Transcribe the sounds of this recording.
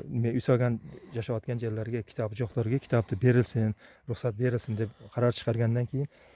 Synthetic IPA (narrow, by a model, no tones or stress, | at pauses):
ɪmeʊjsɒɡʲanjaʃaɒt̪̚kʲand͡ʒaɾlaɾɡʲakʲʰɪ̥t̪ʰɒbd͡ʒɒχd̪ɒɾɡʲakʲʰɪ̥t̪ʰɒb̚t̪ɪbe̞ɾɪlsɪnɾʊχsat̪̚be̞ɾɪlsɪnd̪epqʰɑɾaɾt͡ʃʰɨ̥qʰɑɾɡʲand̪ankʰʲe̞jɪn